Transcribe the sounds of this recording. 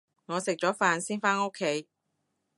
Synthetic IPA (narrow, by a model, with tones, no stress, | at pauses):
ŋɔː˨˧sɪ˨k̚t͡ʃɔː˨˥faː˨˧nsiː˥nfaː˥no˥kʰːe˨˥j